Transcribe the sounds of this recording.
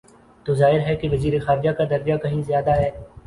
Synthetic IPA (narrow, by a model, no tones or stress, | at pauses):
t̪oːzaːɦɪɾɦɛkeʋɐziːɾexaːɾɪd͡ʒakad̪ɐɾʋjakɐɦĩzɪjaːd̪aɦɛː